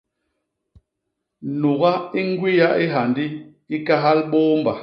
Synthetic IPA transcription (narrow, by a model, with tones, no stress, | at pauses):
nu˨ɣa˦i˦ŋ˦ɡwi˦ja˦ʔi˦ɦa˨ndi˦ | i˦ka˦ɦa˦lɓoː˦mba˨